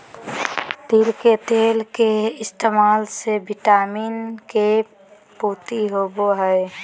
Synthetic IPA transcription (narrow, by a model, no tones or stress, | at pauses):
t̪iːlket̪eːlkeɪst̪eːmaːlsebʱiʈaːmiːnke | puːt̪iɦoboɦəe